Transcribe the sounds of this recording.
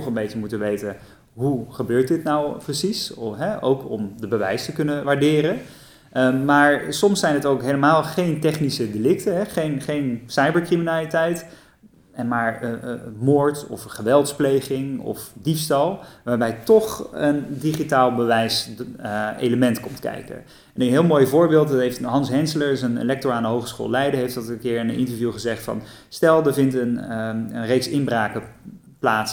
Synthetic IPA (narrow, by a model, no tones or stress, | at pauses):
ɔχənbejcəmutənʋejtə | ɦuχəbøːɹt̚dɪtnawprəsisɦɛʔowkɔmdəbəʋɛjstəkɵnəʋaːɹdɪːɾə | maːɹsɔmsɛjnɦətowkɦeləmaːlˠχejntɛχnisədelɪk̚təɦɛχejnχejnsɑjbəɹkriminaːlitɛjt | ɛnmaːɹmoːɹtɔ̰fχəʋɛlˠtsplejχɪŋɔ̰fdifstɑlˠʋaːɹbɛjtɔχəndiχitaːlˠbəʋɛjs | ḛjləmɛntkɔmtkɛ̰jkə̰ | ɛnənɦɪːlˠmojvʊːɹbɪːlˠttɦejftɦɑnsɦɛnsələɹzənḛlɛk̚tɔɹaːndəɦowχəsχo̰ːlˠlɛjdəɦejftɑtənkɪːɹənənʔɪ̰ntəɹvjuχəzɛχtfɑ̰n | stɛlˠdəvɪntənənrejksɪnbraːkə | plaːts